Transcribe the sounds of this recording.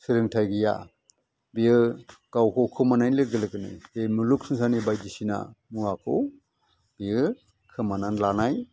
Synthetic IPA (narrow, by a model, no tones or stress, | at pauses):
sɯɾɯŋtʰajɡɯja̰ | bijɯkawkʰɔwkʰɯmanajnlɯɡɯlɯkɯnɯ̰jbemuluk̚sɯŋsanibajdisina̰muakʰɯw | b̥iɯ | kʰɯmananlanaj